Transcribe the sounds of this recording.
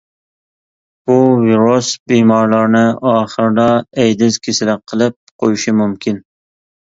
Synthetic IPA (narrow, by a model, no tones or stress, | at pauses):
b̥uviɾosbimɑɾlˠɑɾnɪʔɑːχəɾd̪ɑɛjd̪ɪzkʲʰesɪlæqʰːəlˠɪp̚qʰojuʃɪmumkʲin